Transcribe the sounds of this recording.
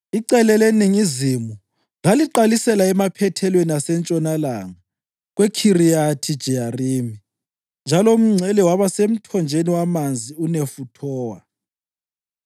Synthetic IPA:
iǀɛlɛleniŋizimu | laliǃalisɛlaɛmapʰɛtʰɛlweniasɛnt͡ʃʼɔnalaŋa | ɣwekʰirijatʰid̥ʒ̥ʱiariːmi | nd͡ʒʱalɔum̩ŋ͡ǀʱɛlɛwaβasem̩tʰɔnd͡ʒʱeniwamand͡zʱiunefutʰɔːwa

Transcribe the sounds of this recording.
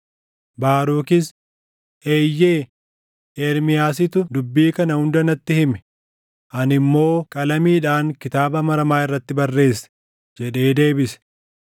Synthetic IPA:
baːɾuːkɪs | ʔeːjːeː | eːɾmɪjaːs̬ɪt̪ʊd̪ʊbːiːkɐnɐhʊnd̪ɐnɐt̪ːɪhɪmɛ̥ | ʔɐnɪmːo̞ːkʼɐlɐmiːᶑaːŋkɪt̪aːbɐmɐɾɐmaːɪrːɐt̪ːɪbɐrːe̞ːsːɛ̥ | d͡ʒɛᶑe̞ːd̪e̞ːbɪsɛ̥

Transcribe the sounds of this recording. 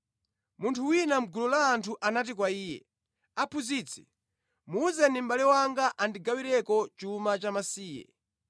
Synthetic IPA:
muntʰuwinam̩ɡulɔlaːntʰuʔanat̬ik̬waiːjɛ̰ | apʰuzit͡sʰɛ̥ | muːzɛnim̩ɓalɛwaŋɡaʔandiɡawiɾɛkɔt͡ʃumat͡ʃamasiːjɛ̰

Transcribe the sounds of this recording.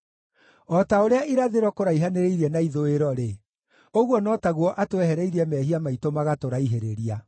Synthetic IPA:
ɔtaoɾeaʔiɾaðeɾɔkoɾaiɦaneɾeiɾiɛnaiðoeɾɔɾe | oɣwɔnɔtaɣwɔʔatoɛhɛɾɛiɾiɛmɛːhiamaitomaɣatoɾaiɦeɾeɾia

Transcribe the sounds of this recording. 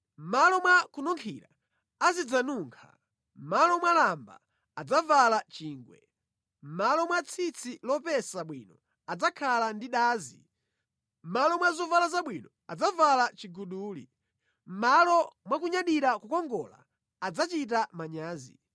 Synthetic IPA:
m̩malɔmwakunɔŋkʰiɾaː | zid͡zanuːŋkʰa̰ | m̩malɔmwalamba̰ː | d͡zavalat͡ʃiːŋɡwɛ̰ | m̩malɔmwat͡sʰit͡sʰilɔpɛsaɓwḭnɔ | ad͡zakʰalandiɗaːzi | m̩malɔmwazɔvalazaɓwinɔ | a̰d͡zavalat͡ʃiɡuɗuːlḭ | m̩malɔmwakuɲaɗiɾakukɔŋɡɔla̰ː | d͡zat͡ʃit̬amaɲaːzḭ

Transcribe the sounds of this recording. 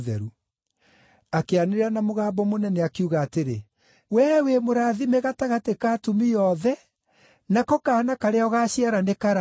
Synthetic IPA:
ðɛ̰ɾu | akeaneɾeɾanamoɣaːbɔmonɛnɛakeuɣaːteɾe | wɛːwemoɾaðimeɣataɣatekaːtumijɔðɛ | nakɔkanakaɾeɔɣaɕiaɾanekaɾa

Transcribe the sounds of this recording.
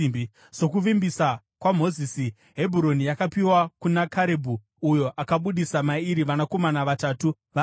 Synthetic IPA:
so̞kuʋimbisa | kwam̤o̞zisi | ɦe̞bʱuɾo̞nijakapiwakunakaɾebʱu | ujo̞ʔakaɓuɗisamaiɾiʋanako̞manaʋataːtu | ʋa

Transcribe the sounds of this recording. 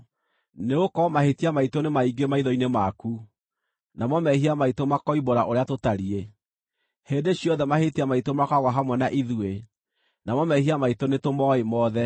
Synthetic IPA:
neokɔmahetiamaitonemaiɡemaiðɔinemaku | namɔmɛhiamaitomakɔiboɾaʔoɾeatotaɾie | hendeɕjɔðɛmahetiamaitomakaɣwaɦamwɛnaʔiðue | namɔmɛɦiamaitonetomɔemɔðɛ

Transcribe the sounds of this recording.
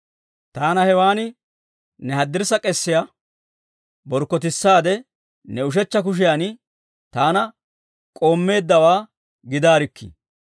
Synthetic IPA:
t̪aːnɐhɛwaːnɪ | nɛɦɐd̪ːɪɾsɐkʼɛsːɪja | bɔɾkːɔt̪ɪsːaːd̪ɛ | nɛʊʃ̬ɛt͡ʃːɐk̬ʊʃ̬ɪjanɪ | t̪aːnɐ | kʼo̞ːmːe̞ːd̪ːɐwaː | ɡɪd̪aːɾɪkːɪ̰

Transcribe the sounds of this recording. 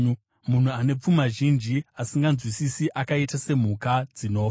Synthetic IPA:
mun̤uane̞p͡fumaʒind͡ʒiasiŋɡanzwisisiʔakaitase̞m̤ukad͡zino̞ːfa

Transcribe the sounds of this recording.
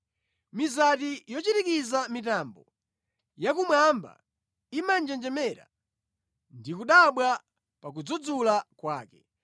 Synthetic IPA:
mizatijɔt͡ʃitikizamitambɔ | jakumwamba̰ | imand͡ʒɛnd͡ʒɛmɛɾa̰ | ndikuɗaɓwa | pak̬ud͡zud͡zulakwaːkɛ

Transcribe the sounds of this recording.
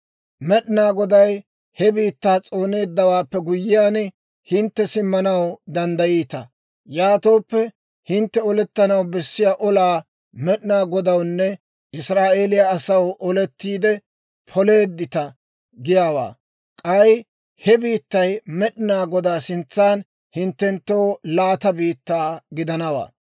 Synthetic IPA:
mɛɗnaːɡɔd̪ɐj | hɛbiːt̪ːaːt͡sʼo̞ːne̞ːd̪ːɐwaːpːɛɡʊjɪjaːn | hɪnt̪ːɛsɪmːɐnɐwd̪ɐnd̪ɐjiːt̪ɐ | jaːt̪o̞ːpːɛ | hɪnt̪ːɛɔlɛt̪ːɐnɐwbɛsːɪjaːʔɔlaː | mɛɗɪnaːɡɔd̪ɐwnːɛ | ʔɪsɾaːʔe̞ːlɪjaːsɐwʔɔlɛt̪ːiːd̪ɛ | pʰɔle̞ːd̪ːɪt̪ɐ | ɡɪjaːwa̰ː | kʼɐj | hɛbiːt̪ːɐjmɛɗnaːɡɔd̪aːsɪnt͡sːaːn | hɪnt̪ːɛnt̪ːo̞ːlaːt̪ɐbiːt̪ːaːɡɪd̪ɐnɐwa̰ː

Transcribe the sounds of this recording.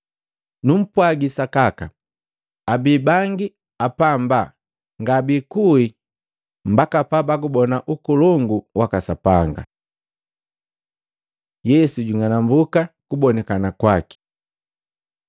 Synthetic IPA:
num̩pwaɡisakaka | abibaŋɡi | apamba | ŋɡabikui | m̩bakapabaɡubɔnaʔukulɔŋɡuwakasapaŋɡa̰ | jɛsuɟiŋanambukakubɔnɛkanakwaki̥

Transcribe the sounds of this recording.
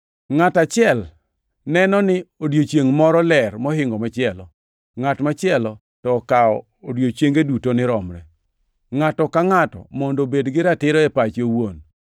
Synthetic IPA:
ŋatat͡ʃɪɛl | nɛnɔnɪodjot͡ʃeŋmɔɾɔlɛrmɔɦɪŋɡɔmat͡ʃɪɛlɔ̰ | ŋatmat͡ʃɪɛlɔ | tɔːkaɔ̰ːodjot͡ʃjeŋɡedutonɪɾɔmɾɛ̰ | ŋatɔkaŋatɔ̰mɔndobedɡɪɾatɪɾɔɛpat͡ʃowon

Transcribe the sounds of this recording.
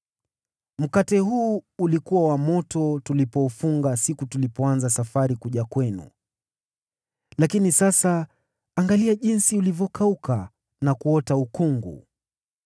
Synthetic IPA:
m̩katɛhuːulikuwawamɔtɔtulipɔufuŋɡasikutulipɔanzasafaɾikuʄakwɛnṵ | lakinisasaː | ŋɡaliaʄinsiulivjɔkauka | nakuɔtaukuŋɡṵ

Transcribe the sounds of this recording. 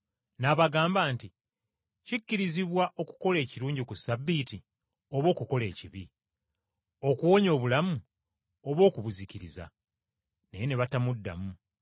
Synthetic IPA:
naβaɡaːmbaːnti | cikːiɾiziβwaʔo̞ku̥ko̞le̞ːciɾuːɲɟikusabːiːti | o̞βo̞ːkuko̞le̞̰ːciβi | o̞kuwo̞ːɲo̞ːβulamu | o̞βwo̞ːkuβuziciɾiza̰ | neje̞ne̞βatamudːa̰mu

